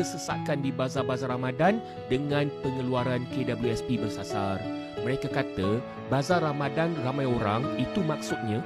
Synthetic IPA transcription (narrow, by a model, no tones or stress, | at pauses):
əsəsa̰ʔ̚kandibazabazaɾamadan | dəŋãnpəŋəluaɾankedabəljuɛspibərsasar | mə̃ɾekakat̪ə | bazarɾamadanramãjoɾaŋit̪umak̚sut̪̚ɲã